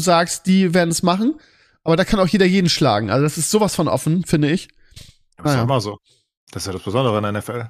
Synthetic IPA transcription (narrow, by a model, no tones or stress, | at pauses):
uzaːkst̚d̥iːveːɐdn̩ɛsmaχn̩ | ʔaːbɐɾaːkʰanaʊxjeːdɐjeːdn̩ʃla̰ːɡŋ̩ʔa̰lzodasɪstz̥oːvasfɔnʔɔ̰fn̩fɪndəɪç | aajaːɪmɐzoː | d̥asɪ̥sjaːdasb̥əzɔndəʁəɪnɛnɛfɛl